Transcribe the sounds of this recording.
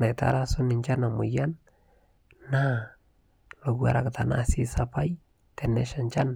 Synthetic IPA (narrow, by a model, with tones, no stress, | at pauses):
na˨jta̰˨˦ɾa˦sʊ˦nɪ˨ɲt͡ʃa˦na˨mʊ˨ja˦n | na˦ | lo˨kwa̰˨ɾa˨kta˨na̰si˦sapa˦j | tɛ˨nɛ˦ʃa˨nt͡ʃa˦n